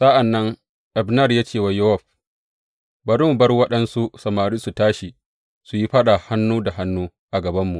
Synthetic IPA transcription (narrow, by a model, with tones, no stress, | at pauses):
sa˦ʔa˨nːɐ˦ŋ | ʔɛ˨bnɐ˦˨rjaː˦t͡ʃeː˦˨wa˦jʊ˦ɔ˨ɸ | bɐ˦ɾɪ˦mu˨bɐ˦rwɐ˦ɗɐ˦nsu˦sɐ˨maː˨ɾiː˦su˨taː˦ʃi˨ | su˨ji˦ɸɐ˦ɗa˨ha˦nːuː˦da˨ha˦nːuː˦ | ʔa˨ɡɐ˨bɐ˦mːu˨ʔ